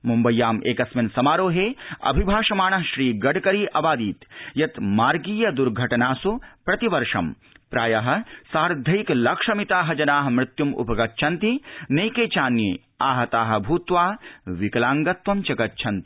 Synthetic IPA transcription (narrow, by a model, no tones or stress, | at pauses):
mumbɐjːaːmḛːkɐsmɐnsɐmaːɾoːɦeːɐ̰bʱibʱaːʃɐmaːɳɐɦʃɾiːɡɐɽkɐɾiːʔɐbaːd̪iːt̪jɐt̪maːɾɡiːjɐd̪uɾɡʱɐʈɐnaːsupɾɐt̪iʋɐɾʂɐm | pɾaːjɐɦɐ̆saːɾd̪ʱɐjiklɐkʂɐmit̪aːɦɐd͡ʒɐnaːɦɐmɾɪt̪jumṵpɐɡɐtːt͡ʃʰɐnt̪ineːjkeːt͡ʃaːnjeː | aːɦɐt̪aːɦɐ̆bʱuːt̪ʋaːʋikɐlaːŋɡɐt̪ʋɐmt͡ʃɐkɐtːt͡ʃʰɐnt̪i̥